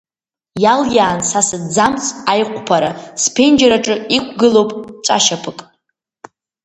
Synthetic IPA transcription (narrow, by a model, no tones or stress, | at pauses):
jaljaːnsasɨdd͡zamt͡sʰajqʷʰʼpʰaɾaspʰend͡ʒaɾaʈ͡ʂʼɨikʷʰɡɨlowpʼt͡ʃʷʼa̰ʃapʰɨkʼ